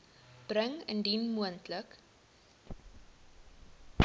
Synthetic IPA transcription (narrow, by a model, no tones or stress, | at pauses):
b̥rəŋə̰ndinmuəntlək